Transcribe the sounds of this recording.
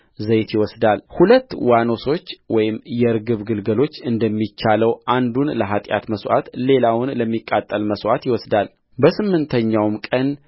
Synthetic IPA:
zəjt̪jɪwɔsd̪alhulət̪ːwano̞so̞t͡ʃːwɔjɪmjɛɨɾɡɨβɡɨlɡəlo̞t͡ʃːɨnd̪əmːit͡ʃːaləwʔand̪unləɦat̪ʼja̰t̪məswʔa̰t̪le̞lawʊnləmːikʼːat̪ʼːəlməswʔat̪jɪwɔsd̪al | bəsɨmːɨnt̪ʰəɲːawmkʼən

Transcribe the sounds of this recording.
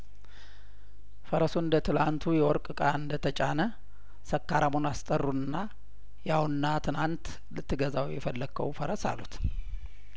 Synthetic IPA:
fəɾəsuɨnd̪ət̪ʰɨlant̪ʰujɛwɔɾkʼɨkʼaɨnd̪ət̪ʰət͡ʃʼanə | səkːaɾamonast̪ʼərːuɨnːa | jawnːat̪ʰɨnant̪ | lɨt̪ːɨɡəzawjɛfəlːəkʰːə̰wfəɾəsa̰lut̪

